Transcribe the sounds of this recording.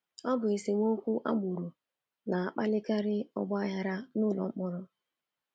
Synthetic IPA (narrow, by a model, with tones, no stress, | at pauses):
ɔ˦bʊ˨e˨se˨ŋʷ˦o˦kʷu˦ʔa̰˦ɡ͡bu˨ɾu˨ | na˨a˨k͡pa˦lɪ˦ka˦ɾɪ˦ɔ̰˦ɡ͡bɔ˦a˦ja˦ɾa˦nʊ˦˨lɔ̰˨ŋ͡m̩˦k͡pɔ˦ɾɔ˦